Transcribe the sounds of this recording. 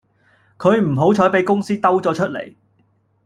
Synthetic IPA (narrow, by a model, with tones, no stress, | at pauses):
kʰɵ˨˧ɥm̩˨˩ɦo˨˥wt͡ʃʰɔː˨˥jpe˨˥jkʊ˥ŋsiː˥t̪ɐ˥wt͡sɔː˨˧t͡ʃʰɵ˥t̚lḛ˨˩j